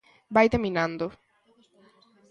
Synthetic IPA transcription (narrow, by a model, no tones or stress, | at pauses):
bajt̪eminãnd̪o